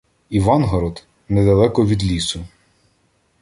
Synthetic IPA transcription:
iʋɑnɦɔɾɔd̪ | nɛd̪ɐlˠɛkɔʋʲid̪lʲisʊ

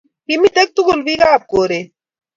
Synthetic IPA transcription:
pimit̪ek̚t̪uɡulʋiɡaːp̚koːɾe

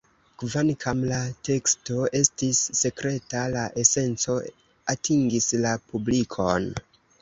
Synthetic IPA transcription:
kvankʰamlate̞ksto̞e̞stisːe̞kɾe̞talaʔe̞se̞nt͡so̞ | atʰiŋɡislapublikʰo̞n

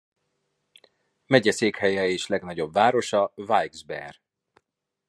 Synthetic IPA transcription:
mɛɟɛseːkhɛjɛeːʃlɛɡnɒɟo̞bːaːɾo̞ʃɒvajɡzbɛ̰r

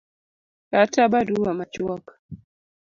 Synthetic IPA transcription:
katabaduwamat͡ʃwɔk

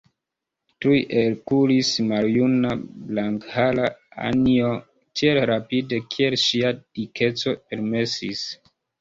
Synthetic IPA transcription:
tujʔelkulismaljunablaŋkhalaa̰nio̞ | tielɾapide̞kʰie̞lʃiad̥ikʰe̞t͡so̞pe̞ɾme̞sḭs

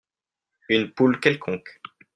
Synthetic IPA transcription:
ynpulkʲɛlkʰɔ̃k

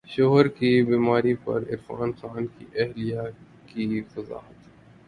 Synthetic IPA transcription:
ʃoːɦəɾkibiːmaːɾipɐ̰ɾɪ̰ɾfa̰ːnxaːnkiʔɛɦlija | kifɐza̰ːɦət̪

